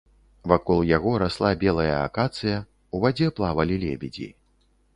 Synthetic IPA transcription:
vakɔlˠjaɣɔɾaslˠabʲɛlˠɐjɐa̰kat̪sɨjɐ | uvad͡zʲɛplˠavɐlʲilʲɛ̰bʲɛd͡zʲḭ

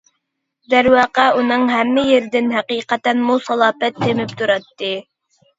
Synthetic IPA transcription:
d̪æɾwɑːqæunɨŋɦæmːɪjeɾd̪ɪnɦæqiːqæt̪ænmusɑlˠɑːpɛt̪ʰːɪmɪpt̪ʰuɾɑt̪ːɪ

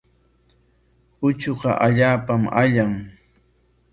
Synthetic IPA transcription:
ʊt͡ʃoqɑ̰ʔaʎaːpama̰ʎaŋ

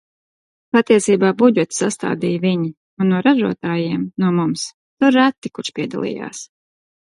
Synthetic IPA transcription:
pat̪iɛsiːbaːbud͡ʒɛt̪sast̪a̰ːd̪iːjvʲiɲi | unːuɔɾaʒuɔt̪aːjiɛmnuɔmums | t̪uɾːat̪ːikut͡ʃpʲiɛd̪a̰lˠḭːja̰ːs

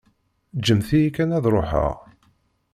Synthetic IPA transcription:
d͡ʒəmθijikːænæðɾˤoħə̰ʁ

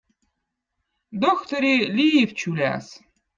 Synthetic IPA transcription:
d̪oxt̪oɾʲilʲijift͡ɕulʲæ̰s

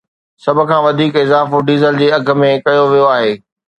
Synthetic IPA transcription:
sɐbʱʊ̆kʰãːʋɐd̪ʱiːkɪzaːfoɖiːzəld͡ʑeːɐɡʱə̆mẽkɐjoʋijoaːɦeː

